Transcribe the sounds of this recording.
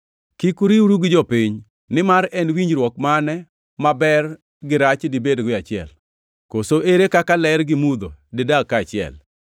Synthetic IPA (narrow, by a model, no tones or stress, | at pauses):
kikuɾiwɾuɡɪd͡ʒɔpiɲ | nɪmaɾɛnwiɲɾwɔkmanɛ | mabɛr | ɡɪɾat͡ʃdɪbedɡwɪat͡ʃɪɛ̰l | kosoʔeɾekakalɛɾɡɪmud̪odɪdakːat͡ʃɪɛ̰l